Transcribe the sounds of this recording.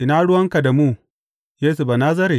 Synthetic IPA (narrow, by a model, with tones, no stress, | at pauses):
ʔɪ˨˦na˦ɽʊ˦wɐ˦ŋka˨da˨muː˦ | jeː˦su˨ba˨naː˦s̬ɐ˦ɾi˨